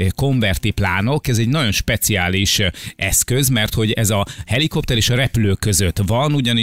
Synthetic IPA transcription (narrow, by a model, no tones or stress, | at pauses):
ko̞ɱvɛrt̪iplaːno̞kɛzɛɟnɒɟo̞nʃpɛt̪siaːliʃɛskø̞zmɛrt̪ho̞ɟɛzɒhɛliko̞p̚t̪ɛɾeːʃɒɾɛpyløːkːø̞zøt̪vɒnuɟɒni